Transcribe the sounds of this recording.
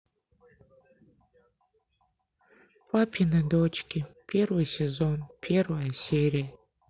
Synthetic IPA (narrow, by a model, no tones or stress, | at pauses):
pʰapʰinɨdot͡ʃʰkʲipʲʰerwɨjsezonpʰerwɨjaseɾʲija